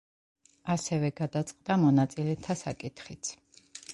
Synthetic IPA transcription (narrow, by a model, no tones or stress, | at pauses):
asɛvɛɡad̪at̪sʼqʼd̪amɔnat̪sʼilɛt̪ʰasakʼit̪χit̪sʰ